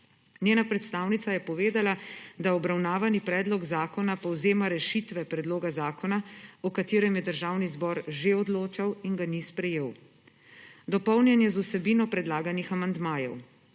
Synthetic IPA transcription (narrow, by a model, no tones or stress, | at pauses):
njeːnapɾɛt̪st̪aːwnit̪sajɛpɔʋeːd̪alad̪aɔbɾawnaːʋanipɾɛːd̪lɔɡzaːkɔnapɔwzeːmaɾɛʃit̪ʋɛpɾɛd̪loːɡazaːkɔnaɔkat̪eːɾɛmjɛd̪əɾʒaːwnizbɔːɾʒeɔd̪loːt͡ʃawiŋɡanispɾɛjeːw | d̪ɔpɔwnjɛnjɛzusɛbiːnɔpɾɛd̪laːɡanixamand̪maːjɛ̰w